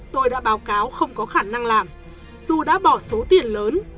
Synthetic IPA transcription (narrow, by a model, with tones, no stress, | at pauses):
t̪o˧jɗa̰ː˧˥ɓaː˨˦wkaː˨˦wxə˧wŋ͡mkɔ˨˦xaː˧˩na˧ŋlaː˨˩m | zu˨˩ɗa̰ː˧˥ɓɔ˧˩so˨˦t̪i˨˩ənləː˨˦n